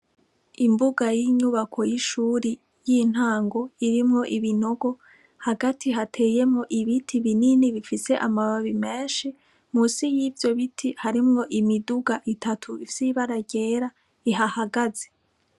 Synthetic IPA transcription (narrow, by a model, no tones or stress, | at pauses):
imbuɡajiɲuβakʰo̞jiʃuːɾi | jin̥haːŋɡo̞iɾimŋo̞ʔiβino̞ɡo̞ | haɡatʰiɦatʰe̞ːje̞mŋo̞ʔiβitʰiβininiβifise̞ʔamaβaβime̞ːnʃi | musijivjo̞βitʰihaɾimŋo̞ʔimiduɡaʔitʰatʰuifsiβaɾaɟe̞ːɾa | iɦahaɡaze̞